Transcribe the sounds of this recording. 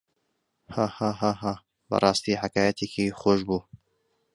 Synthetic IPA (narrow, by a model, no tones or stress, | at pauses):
hahaɦaɦa | bə̰rˤɑːst̪iːħakaːjɛt̪ʰekixoːʃbuː